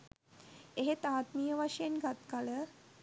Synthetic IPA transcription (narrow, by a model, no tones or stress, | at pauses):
eɦet̪aːt̪mijəʋaʃjenɡat̪kalə